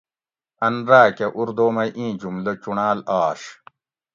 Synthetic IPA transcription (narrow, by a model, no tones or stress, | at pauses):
ɐnɾaːkɐʔuɾd̪oːmɐʔĩːd͡ʑumlɐt͡ɕuɳaːlaːɕ